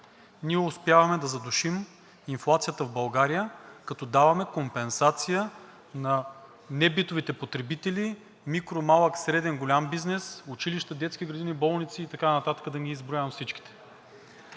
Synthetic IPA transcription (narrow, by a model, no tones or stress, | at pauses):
niɛʊspjavɐmɛd̪ɐzɐd̪oʃim | inflˠat̪sijət̪əvbɐlˠɡaɾijəkɐt̪ɔd̪avɐmɛkompɛnsat̪sijə | nɐ | nɛbit̪ovit̪ɛpot̪ɾɛbit̪ɛli | mikɾomalˠəksɾɛd̪ɛnɡolʲambiznɛsʊt͡ʃiliʃt̪əd̪ɛt̪skʲiɡɾɐd̪inibɔlˠnit̪siːt̪ɐkanɐt̪at̪ə̥kəd̪ɐɡʲiːzbɾoʊjavɐmfsit͡ʃki̥t̪ɛ̥